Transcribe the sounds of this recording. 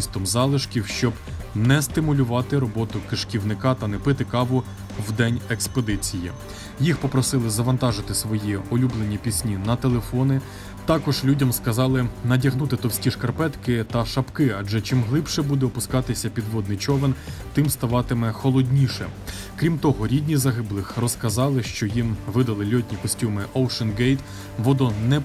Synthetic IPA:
st̪ɔmzɑlˠɪʃkʲiwʃt͡ʃɔbnɛst̪ɪmʊlʲʊʋɑt̪ɪɾɔbɔt̪ʊkɪʃkʲiwnɪkɑt̪ɐnɛpɪt̪ɪkɑʋʊ | wd̪ɛnʲɛksped̪ɪt͡sʲijḭ | jixpɔpɾɔsɪlˠɪzɐʋɐnt̪ɑʒɪt̪ɪsʋɔjiɔlʲublˠenʲipʲisʲnʲinɐt̪elˠefɔnɪ | t̪ɑkɔʒlʲudʲɐmskɐzɑlˠɪnɐdʲɐɦnut̪ɪt̪ɔwsʲkʲiʃkɐrpɛt̪kɪt̪ɐʃɐpkɪɐd͡ʒɛt͡ʃɪmɦlˠɪpʃɛbud̪ɛɔpʊskɑt̪ɪsʲɐpʲid̪ʋɔd̪̚nɪjt͡ʃɔʋent̪ɪmst̪ɐʋɑt̪ɪmɛxɔlˠɔdʲnʲiʃɛ̰ | kɾʲimt̪ɔɦɔɾʲidʲnʲizɐɦɪblˠɪxrɔskɐzɑlˠɪʃt͡ʃɔjimʋɪd̪ɐlˠɪlʲɔtʲnʲikɔsʲtʲumɪʔɔwʃɐnɡɛjt̪ | ʋɔd̪ɔnɛ

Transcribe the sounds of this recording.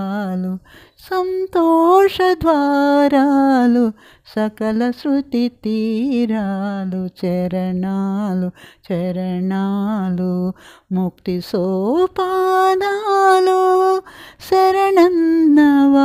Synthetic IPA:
lu | sɐnt̪ɔːʂɐd̪ʱʋaːɾaːlu | sɐkɐlɐsɾut̪it̪iɾaːlut͡ʃɛɾɐɳaːlut͡ʃɛɾɐɳaːlumuk̚t̪isoːpad̪alu | sɐɾɐɳɐnːɐʋa

